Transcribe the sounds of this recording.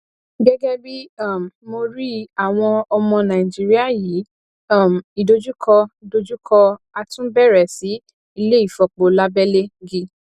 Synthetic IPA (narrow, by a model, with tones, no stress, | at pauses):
ɡɛ˦ɡɛ˦bi˦a˦˨m˨mo˧ɾi˦a˨w̃ɔ̃˧ɔ˧mɔ̃˧nã˨i˨d͡ʒi˦ɾi˦a˦˨ji˨˦˨ | m˨i˨do˧d͡ʒu˦kʰɔ˧i˨do˧d͡ʒu˦kʰɔ˧ | a˧tũ˦bɛ˦˨ɾɛ˨si˨˦ | i˦˧le˦i˦˨fɔ˨k͡po˨la˦bɛ˦le˦ɡi˦